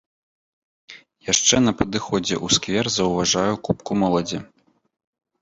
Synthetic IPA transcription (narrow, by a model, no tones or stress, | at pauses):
jaʂt͡ʂɛnɐpɐd̪ɨxɔd͡zʲɛ̰ʔuskvʲɛrzɐwvaʐajukupkumɔlˠɐd͡zʲi